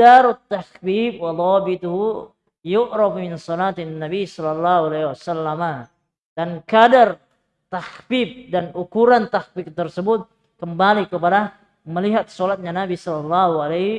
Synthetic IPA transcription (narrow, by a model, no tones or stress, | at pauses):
daɾʊt̪ːahbiːb̚wɑðˤɑbit̪uhu | jʊʔɾɑbmɪnsɔlat̪nːabisɔlɑlːahualaiwasalːama | d̥ankadar | t̪ahbib̚danukuɾant̪ahbib̚t̪ərsəbʊt̪̚ | kəmbalikəpada | məliɦat̪̚solat̪̚ɲanabisɔlɑlːahualah